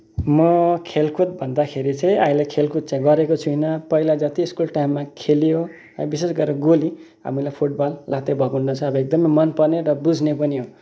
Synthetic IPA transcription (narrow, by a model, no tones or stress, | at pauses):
mʌkʰelkʰut̪̚bʱʌnd̪akʰeɾit͡sãĩaĩlakʰelkʰut̪̚t͡sãĩɡʌɾekot͡sʰuinʌpʌilad͡zʌt̪iːskulʈajmːakʰeljo | ãbisesɡʌɾʌɡoli | ɦa̰milajpʰuʈbalːat̪ebʱʌɡunːʌt͡sʰʌːbʌek̚d̪ʌmʌjmʌnpʌneɾʌbud͡zʱnepʌniɦo